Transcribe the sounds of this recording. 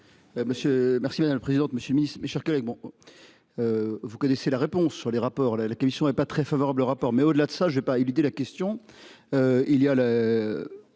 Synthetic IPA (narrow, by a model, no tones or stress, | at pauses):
məsjømɛʁsimad̪amləpχezid̪ɑ̃t̪məsjøləminist̪meʃɛʁkɔlɛɡ̚bɔ̃ | vukɔneselaʁepɔ̃sːyʁleʁapɔʁlalakɔmisjɔ̃ɛpat̪χɛfavɔʁabloʁapɔʁmɛod̪əlad̪əsaʒəvɛpaelyd̪elakʲɛst̪jɔ̃ | øiliala